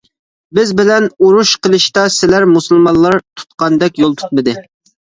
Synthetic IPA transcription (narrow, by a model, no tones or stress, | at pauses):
bɪzbɪlɛnuɾuʃqʰəlˠɨʃt̪ɑsɪlæɾmusɨlˠmɑnˠlːˠɑɾt̪ʰu̥t̪̚qɑnd̪ɛkʲjolˠt̪ʰu̥t̪̚mɨd̪ɨ